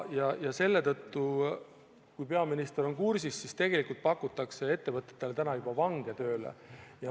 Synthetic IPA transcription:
jɑjɑse̞lːe̞t̪ɤt̪ːu | kujpe̞ɑminist̪eɾo̞nkursisːist̪e̞ɡ̥e̞likult̪̚pɑkːˑut̪ːˑɑkse̞e̞t̪ːe̞vɤt̪ˑːet̪ːˑelet̪ænɑjub̥ɑvɑŋɡ̥e̞t̪ø̞ːlḛjɑ

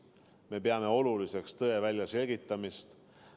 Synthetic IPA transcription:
me̞pe̞ɑme̞o̞lulise̞kst̪ɤe̞vælʲjɑse̞lʲɡit̪ːˑɑmist̪

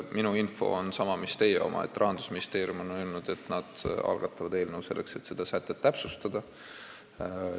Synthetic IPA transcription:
minuinfo̞̰onsɑmɑmist̪e̞ːjeo̞̰mʔɑ̰ḛt̪ːˑrʔɑɦɑnd̪̥usminist̪e̞ːɾiumonølnud̪̥e̞t̪nɑd̪̥ɑ̰lɡ̥ɑt̪ːˑɑvɑd̪e̞ːlne̞wse̞lːe̞kse̞t̪ːse̞d̪̥ɑsæt̪ːˑet̪ːæpsust̪ɑd̪̥ɑ

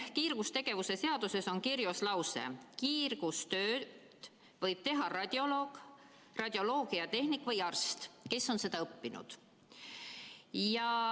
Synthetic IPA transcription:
kiːrɡ̥ust̪e̞ɡ̥e̞vuse̞se̞ɑd̪̥use̞so̞nkiɾjoslɑwse̞̰kiːrɡ̥ust̪ø̞ːdd̪̥ | vɤjb̥̚t̪e̞ɦɑrɑd̪̥ʲjo̞lo̞ːɡ̥ | rɑd̪̥ʲjo̞lo̞ːɡiɑt̪e̞hnikˑːvɤjɑrst̪ke̞sːo̞nse̞d̪ɑɤpːinṵd̪̥ | jɑ

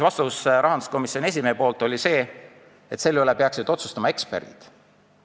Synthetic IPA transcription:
vɑst̪ɑvusɾʔɑɦɑnd̪u̥sko̞misːio̞ne̞s̬ʲimeːpo̞ːlt̪ˑo̞lʲise̞ː | et̪se̞lːylɛpe̞ɑksid̪o̞t̪su̥st̪ɑmɑe̞kspḛrɡ̥ḭd̪̥

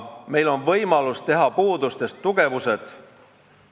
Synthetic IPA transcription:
me̞jlo̞nvɤjmɑlust̪e̞ɦɑpuːd̪ust̪e̞st̪ːuɡ̥e̞vuse̞d̪̥

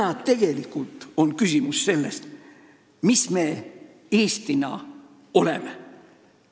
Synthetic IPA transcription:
ɑt̪e̞ɡ̥e̞likult̪ˑo̞nkysʲimusse̞lːe̞st̪ | misme̞ː | eːst̪inɑ̰ | o̞le̞me

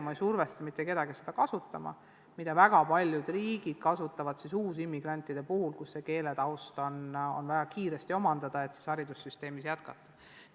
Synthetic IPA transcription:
mɑejsurvest̪ɑmit̪ˑːeke̞d̪̥ɑɡise̞d̪̥ɑkɑsut̪ːˑɑmɑ̰ | mid̪̥ɑvæɡ̥ɑpɑlʲjud̪̥riːɡ̥id̪̥̚kɑsut̪ːˑɑvɑd̪̥sisuːsimːiɡ̥ɾɑnʲt̪ˑːid̪̥e̞puhulkusːe̞ke̞ːled̪ɑwst̪ono̞̰nvæɡɑkiːɾe̞st̪io̞mɑnd̪̥ɑd̪̥ɑe̞t̪si̥sɑɾid̪usːyst̪e̞ːmisjæt̪kɑ̰t̪ːˑɑ̥

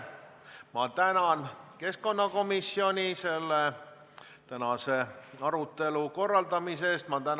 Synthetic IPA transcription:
mɑt̪ænɑnke̞skko̞nːɑko̞misːio̞nʲise̞lːe | t̪ænɑse̞ɑɾut̪ːe̞luko̞rːɑld̪ɑmise̞ːst̪mɑt̪æn

